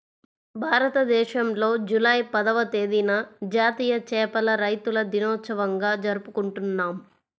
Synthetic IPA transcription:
bʱaːɾɐt̪ɐd̪ɛːʃɐmlo̞ːd͡ʒulɐjpɐd̪ɐʋɐt̪eːd̪inɐd͡ʒaːt̪iːjɐt͡ʃɛːpɐlɐɾɐjt̪ulɐd̪inɔːt̪sɐʋɐŋɡaːd͡ʒɐɾupukuɳʈunːaːm

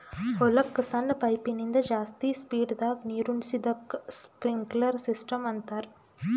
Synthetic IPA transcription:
ɔlɐkːɯsɐnɐpɐɪpːinind̪ɐd͡ʒaːst̪ispiːɽd̪aːkniːɾunsid̪ɐkːspɾɪŋɡlɐɾsɪsʈɐmʋɐnt̪aːɾ

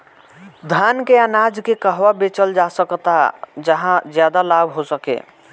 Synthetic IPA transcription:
d̪ʱankeanad͡ʒkekəɦwabet͡ʃəld͡ʒasəkt̪ad͡ʒəɦãd͡ʒjad̪alabʱɦosəkḛ

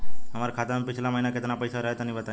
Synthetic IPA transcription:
ɦəmaɾakʰat̪apit͡ʃʰlaməɦinaket̪napəjsaɾəɦet̪ənĩbət̪a

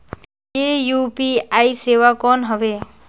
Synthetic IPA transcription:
jejupiajsewakɔnɦʌbe

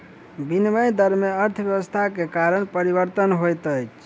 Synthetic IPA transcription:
binməjd̪əɾmeəɾt̪ʰbjəʋəst̪ʰakekaɾənpəɾibəɾt̪ənɦojt̪əjt͡ʃʰ

